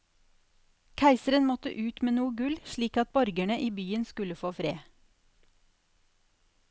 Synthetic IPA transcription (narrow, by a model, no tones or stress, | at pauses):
kʰæɪsəɾənmɔt̪ə̰ʔʉːt̪meːnuːəɡʉlʃɭiːkɑt̪̚bɔɾɡæɳəʔiːbyːənskʉləfoːfɾḛː